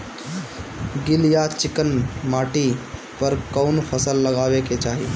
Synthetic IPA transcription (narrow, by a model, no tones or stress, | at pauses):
ɡɪljat͡ʃɪkənmaːʈi | pəɾkəʊnpʰəsəlːəɡaːʋeket͡ʃaːɦi